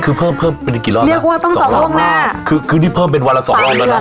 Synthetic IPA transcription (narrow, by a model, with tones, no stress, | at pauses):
kʰɯː˧pʰɤː˥˩mpʰɤː˥˩mpe˧nːi˧ki˨˩lɔː˥˩li˧kwaː˥˩t̪ɔ˥˩ŋː˨ɔ˨˩˦u˥˩ŋnaː˥˩kʰɯː˧kʰɯː˧t̪ʰi˥˩pʰɤː˥˩mpe˧nwa˧nla˦˥sɔ̰ː˨˩˧ŋlɔː˥˩lːa˧˥